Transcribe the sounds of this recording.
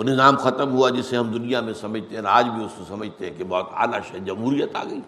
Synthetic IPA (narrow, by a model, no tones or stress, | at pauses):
nɪzaːmxɐt̪əmɦuad͡ʒɪseɦɐmd̪ʊnijamẽsɐməd͡ʒʱt̪eɦɛ̃aːd͡ʒbʱiʊskosɐməd͡ʒʱt̪eɦɛ̃kebɔːt̪a̰ːlaʃɐd͡ʒɐmɦuːɾijət̪a̰ːɡɐiː